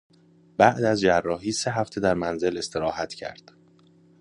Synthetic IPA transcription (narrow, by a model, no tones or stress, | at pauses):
b̥æʔd̪æzd͡ʒærːɒːɦiːse̞ɦæft̪ʰe̞d̪æɾmænze̞le̞st̪ʰe̞ɾɒːhæt̪ʰcʰæ̰ɾd̪̥